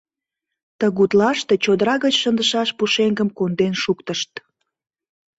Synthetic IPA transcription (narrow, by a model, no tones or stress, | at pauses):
t̪əɣut̪lɑʃt̪e̽t͡ɕod̪əɾɑɣət͡ɕʃənd̪əʃɑʃpuʃeŋɡəmkond̪enʃukt̪əʃt̪